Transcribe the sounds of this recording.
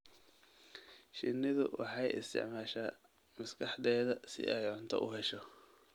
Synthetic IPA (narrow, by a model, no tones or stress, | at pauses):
ʃɪnːɪðʊwɑ̰ħɑjɪ̰st̪ʰɪ̰ʕmaːʃaː | mɐskʰɑħdɛːðɐsɪ̰ʔɛjʕʊnt̪ʰɔ̰ʔʊɦɛʃɔ